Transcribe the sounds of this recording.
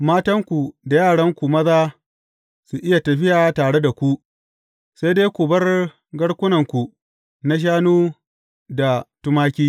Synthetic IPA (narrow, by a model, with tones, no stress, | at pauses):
maː˦tɐ˦ŋkʷu˨da˨jaː˦˨ɽɐ˦ŋkʷu˨mɐ˦zaː˦ | su˨ʔɪ˦ja˨tɐ˨ɸɪ˦jaː˨taː˨ɽe˦da˨kʷu˦ | se˦jdeː˦kʷu˨bɐ˦r | ɡɐ˦ɽkʷʊ˦nɐ˨ŋkʷu˨ | na˦ʃ̬aː˦nuː˦ | da˨tʊ˦maː˦kʲiː˦